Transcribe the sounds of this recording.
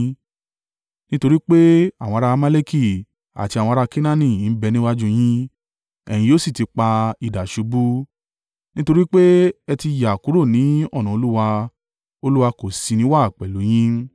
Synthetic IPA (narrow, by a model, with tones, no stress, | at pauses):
nĩ˦to˧ɾi˦k͡pe˦a˦˨wɔ̃˧ɾa˧ma˦le˦ki˦˨ | a̰˨ti˧a˨wɔ̃˧ɾa˧ki˦nã˦nĩ˨n̩˦bɛ˧nĩ˦wa˦d͡ʒũ˧j̃ĩ˦ | ɛ̰˨j̃ĩ˧˦o˦si˦˨ti˧k͡pa˧i˨da˨ʃu˨˧˦bu˦ | nĩ˦to˧ɾi˦k͡pe˦ɛ˧ti˧ja˨ku˨˦ɾo˦˨nĩ˨˦ɔ˦˨nã˨o˧lu˦wa˧ | o˧lu˦wa˧ko˨si˨˧nĩ˨˦wa˦˨k͡pɛ˨lo˨˦j̃ĩ˦